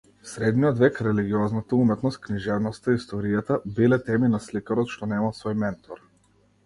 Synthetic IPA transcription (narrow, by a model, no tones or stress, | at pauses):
sɾɛd̪nijɔd̪vɛkɾɛliɡiɔznat̪aumɛt̪nɔst̪̚kniʒɛvnɔst̪aist̪ɔɾijat̪abilɛt̪ɛminaslikaɾɔt̪ʃt̪ɔnɛmalˠsvɔjmɛnt̪ʰɔɾ